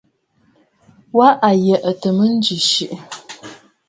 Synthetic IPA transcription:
waʔajɛʔɐtʰɨmɨnd͡ʒɪʃɪʔ

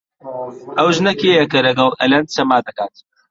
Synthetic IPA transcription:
ʔɐwʒnɐkejɐkɐlɐɡɐlˠʔɐ̰lɐnd̪̚t͡ʃɐmaːd̪ɐkaːt̪

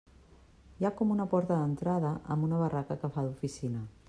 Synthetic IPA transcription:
jakɔmunəpɔɾt̪əðənt̪ɾaðəʔə̰mbunəβɐrʔakəkəfaðufisinə

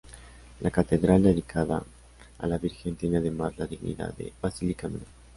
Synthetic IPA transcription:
lʔakat̪eðɾald̪eðikʰaða̰ | a̰laβiɾxent̪jeneaðemazlaðiɣnḭða̰ðḛβasilikamḛne

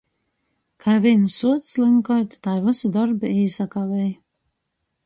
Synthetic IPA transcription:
kʰajvinsuɔt̪slɨŋkɔjt̪t̪ajvɨsɨd̪ɔɾbiiːsakavɛj

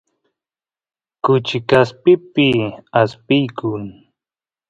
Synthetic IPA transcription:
kʊt͡ʃɪkaspɪpɪaspɪjkʊŋ

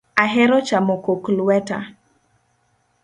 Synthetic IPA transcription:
aɦɛɾɔt͡ʃamokoklwɛta̰

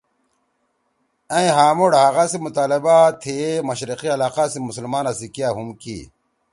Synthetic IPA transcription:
ɐ̃ĩɦaːmoɽaɦaɣasimut̪aːlebat̪ʰemɐɕɾiqiɐlaːqasimuslmaːnasikijaːɦumkḭ

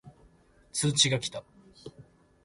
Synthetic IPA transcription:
t͡sɨːt͡ɕiɡakʲi̥t̪a

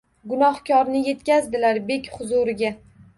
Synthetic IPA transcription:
ɡʊnɒhkʲʰɒɾnɪje̞t̪kʲazd̪ɪlaɾbe̞kʲχʊzʊɾɪɡʲa

